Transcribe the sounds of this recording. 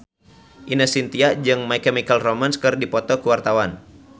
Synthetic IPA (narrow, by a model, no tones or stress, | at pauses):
ʔinəsint̪iaʔd͡ʒɨŋmaikɛmikəlromanskɨrdipɔt̪ɔkuwart̪awan